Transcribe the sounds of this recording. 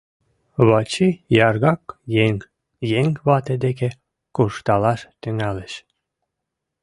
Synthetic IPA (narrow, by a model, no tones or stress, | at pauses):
βɑt͡ɕijɑrɣɑkjeŋ | jeŋβɑt̪ed̪eke | kuʃt̪ɑlɑʃt̪yŋæləʃ